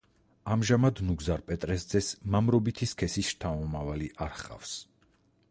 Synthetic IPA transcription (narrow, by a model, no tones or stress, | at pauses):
amʒamad̪nuɡzaɾpʼɛt̪ʼɾɛsd̪zɛsmamɾɔbit̪ʰiskʰɛsisʃt̪ʰaɔmavaliʔaɾχa̰fs